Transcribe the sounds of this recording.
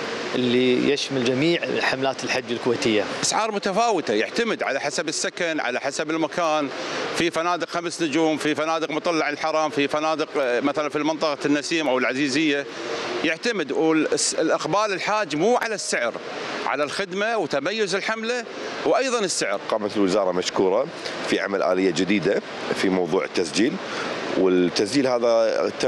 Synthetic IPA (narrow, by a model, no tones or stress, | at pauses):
ʔɪlːijɪʃmald͡ʒamiːʕħamlaːt̪ɪlħad͡ʒːalkʊweːt̪ɪjːaʔasʕɑːɾˤmʊt̪afaːwɪt̪ajɪ̰ʕt̪amɪd̪ʕa̰laħasabɪsːakanʕa̰la̰ħasabɪlmakaːnfifanaːd̪ɪqxamsnʊd͡ʒuːmfifanaːd̪ɪqmʊt̪ˤɑlːɑʕɪlħɑɾˤɑːmfifanaːd̪ɪqmaθalanfilmɪnt̪ˤɑqɑnːasiːmʔawɪlʕaziːzɪjːajɪʕt̪amɪd̪sɪlʔɪxbaːlɪlħaːd͡ʒːmuːʕalasːɪʕɾ | ʕa̰lalxɪd̪mawt̪amajːʊzɪlħamla | wʔajðˤɑnɪsːɪʕɾqɑːmat̪ɪlwɪzɑːɾˤɑmaʃkuːɾˤɑ | fiʕa̰malʔa̰ːlɪjːad͡ʒɪd̪iːd̪a | fimɑwðˤuːʕət̪ːasd͡ʒiːl | wɪt̪ːasd͡ʒiːlhaːðat̪ːa